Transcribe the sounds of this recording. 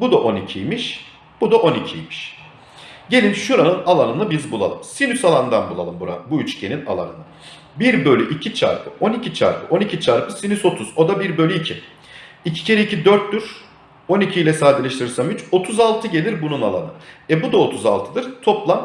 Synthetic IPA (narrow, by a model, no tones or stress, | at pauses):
bud̪aʔo̞nicʰijmiʃ | b̥ud̪aʔo̞nicʰijmiʃ | ɟe̞lʲinʃuɾanɯnalˠanɯnɯbizbulˠa̰lˠɯmsinysalˠand̪anbulˠa̰lˠɯmbuɾa̰buyt͡ʃcʰenina̰lˠa̰nɯnɯ | biɾbø̞lʲyʔicʰit͡ʃʰa̰ɾpʰɯʔo̞nicʰit͡ʃʰa̰ɾpʰɯʔo̞nicʰit͡ʃʰaɾpɯsinyso̞t̪ʰuzo̞d̪abiɾbø̞lʲyicʰi | icʰi̥cʰe̞ɾiicʰid̪øɾt̪ːyɾ̥ | o̞nicʰijlʲɛsaːd̪ilʲeʃt̪iɾiɾsamyt͡ʃo̞t̪ʰuzalˠt̪ʰɯɟe̞lʲiɾbununalˠa̰nɯɛbud̪ao̞t̪ʰuza̰lˠt̪ʰɯd̪ɯɾ̥t̪ʰo̞plˠam